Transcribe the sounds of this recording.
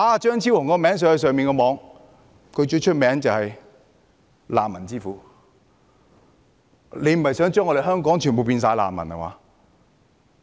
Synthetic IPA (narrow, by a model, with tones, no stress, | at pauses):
ʔaː˧t͡ʃœː˥ŋt͡sʰiː˥wɔː˨˩ŋkɔː˧mɛː˨˥ŋs̬œː˧˥hɐ˧sœː˨ŋmiː˨nkɔː˧mɔː˨˧ŋ | kʰɵ˨˧t͡ʃɵ˧˥t͡ʃʰɵ˥t̚mɛː˨˥ŋt͡sɐ˨whɐ˨j | la̰ː˨mːɐ˨˩nt͡siː˥fuː˨˥ | le˨˧jm̩˨˩hɐ˨jsœː˨˥ŋt͡ʃœː˥ŋːɔ˧ɾe˨˩hɦœː˥ŋkɔː˨˥ŋt͡ʃʰyː˨˩np̬o˨wpiː˧ns̬aː˧jla̰ː˨mːɐ̰˨˩nhɐ̰˨wa̰ː˨˧˦